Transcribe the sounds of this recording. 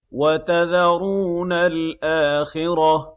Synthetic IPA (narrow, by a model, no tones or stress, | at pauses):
wat̪aðaɾuːnalʔaːxɪɾa